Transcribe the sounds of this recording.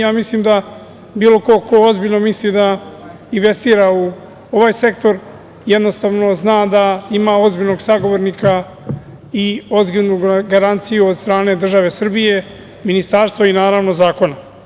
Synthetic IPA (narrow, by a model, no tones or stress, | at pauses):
jaːmisliːmd̪a | biːlo̞ko̞ko̞ozbiʎno̞mislid̪a | inʋe̞st̪iːɾau | o̞ʋaːjse̞kt̪o̞ɾ | jed̪no̞st̪aːʋno̞znaːd̪aimao̞zbiʎno̞ɡsaɡo̞ʋoɾnika | io̞zbinuɡaɾant̪sijuod̪st̪ɾaːne̞d̪r̩ʒaʋe̞sr̩bije̞ | minist̪aɾst̪voinaːɾaʋno̞zaːko̞na